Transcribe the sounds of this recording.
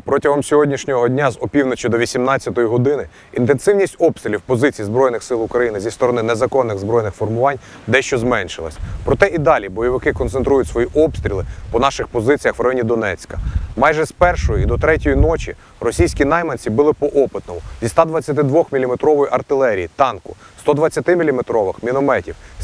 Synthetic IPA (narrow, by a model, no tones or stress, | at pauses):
pɾɔtʲɐɦɔmsʲɔɦɔdʲnʲiʃnʲɔɦɔdʲnʲazɔpʲiwnet͡ʃʲʊd̪ɔʋʲisʲimnɑt͡sʲːɐt̪ɔjiɦɔd̪ɪnɪ | int̪ensɪwnʲisʲtʲɔpst̪ɾʲilʲiwpɔzɪt͡sʲijizbɾɔjnɪxsɪlˠʊkɾɐjinɪzʲist̪ɔɾɔnɪnezɐkɔnːɪɣzbɾɔjnɪxfɔrmʊʋɑnʲ | d̪ɛʃt͡ʃɔzmɛnʃɪlˠɐ̰sʲɐpɾɔt̪ɛʔid̪ɑlʲibɔjɔʋɪkɪkɔnsent̪ɾujʊtʲsʋɔjiʔɔpst̪ɾʲilˠɪpɔnɑʃɪxpɔzɪt͡sʲijɐxʋrɐjɔnʲid̪ɔnɛt͡sʲkɐmɑjʒɛspɛrʃɔjɔid̪ɔt̪ɾɛtʲɔjinɔt͡ʃʲḭ | rɔsʲijsʲkʲinɑjmɐnʲt͡sʲibɨlˠɪpɔʔɔpɪt̪nɔmʊzʲist̪ɑd̪ʋɐt͡sʲːɐt̪ɪd̪ʋɔxmʲilʲimet̪ɾɔʋɔjiʔɐrt̪ɪlˠɛɾʲijit̪ɑnkʊ̰ | st̪ɔd̪ʋɐt͡sʲːɐt̪ɪmʲilʲimet̪ɾɔʋɪxmʲinɔmɛtʲiw